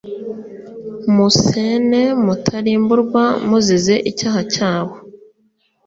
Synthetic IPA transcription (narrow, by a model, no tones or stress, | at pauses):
musene̞mutʰaɾiːmbuɾɡwamuzize̞ʔicaːhacaːβo